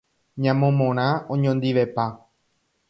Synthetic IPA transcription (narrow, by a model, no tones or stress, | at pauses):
ɲãmõmõɾ̃ãõɲõnd̪iʋe̞pa